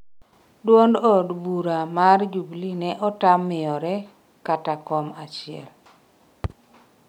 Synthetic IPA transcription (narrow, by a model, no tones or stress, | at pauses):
dwondodbuɾamard͡ʒublinɛʔɔtamːɪjɔɾɛ | katakɔmat͡ʃɪɛ̰l